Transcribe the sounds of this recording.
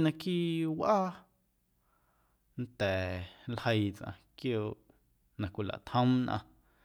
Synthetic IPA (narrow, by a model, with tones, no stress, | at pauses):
nã˧kiː˦ʔwʔaː˦ | nt̪ɛː˨lhə˧jt͡sʔã̰˧kjoː˧˨ʔ | nã˨kʷi˨la̰˨ʔt̪hə̃˦mnʔã̰˧